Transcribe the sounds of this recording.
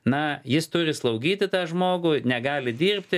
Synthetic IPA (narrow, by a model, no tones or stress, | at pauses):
nɐjɪst̪ʊɾʲɪslˠɐʊɡʲiːt̪ʲɪt̪ɑːʒmoːɡʊnʲɛɡɑːlʲɪd̪ʲiːrʲpʲt̪ʲɪ